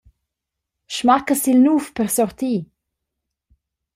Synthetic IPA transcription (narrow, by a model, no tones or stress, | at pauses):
ʃmakəsilnuːfpərsɔrt̪iː